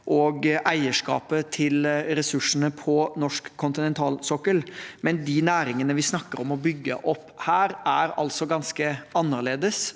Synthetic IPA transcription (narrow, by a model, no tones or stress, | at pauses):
ʔɔɡʔæɪəʂkɑ̰ːpət̪ʰɪlɾɛsʉʂːənəpʰɔnɔʂkʰːʊnt̪ɪnɛnt̪ʰɑːlsɔkːəlmɛnd̪inæːɾɪŋənəʋɪsnɑkːəɾɔmɔbʏɡːə̰ʔɔpːhæːɾæɾɑ̰lt̪sɔɡɑnskəɑnːəɭeːd̪əs